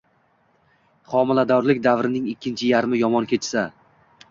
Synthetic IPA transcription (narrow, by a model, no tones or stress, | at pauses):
χɒmɪlad̪ɒɾlɪk̚ʲd̪avɾɪnɪŋɪkʲːɪnt͡ʃʰɪjaɾmɪjɒmɒnkʲʰe̞t͡ʃsa